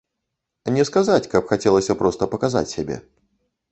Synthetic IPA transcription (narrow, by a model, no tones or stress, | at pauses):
nʲɛskazat͡sʲkɐpxat͡sʲɛlˠəsʲɐpɾɔst̪əpɐkaza̰t͡sʲsʲabʲɛ̰